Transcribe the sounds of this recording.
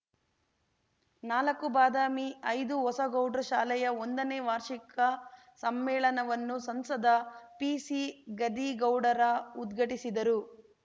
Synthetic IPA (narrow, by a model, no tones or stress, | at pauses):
naːlɐkːubaːd̪aːmiɐjd̪uɦɔsɐɡɐwɖɐɾʃaːlɛjɐond̪ɐneːʋaːɾʂikɐ | sɐmːɛːɭɐnɐʋɐnːusɐmsɐd̪ɐpisiɡɐd̪iɡɐwɖɐɾɐud̪ɡʱɐʈisid̪ɐɾu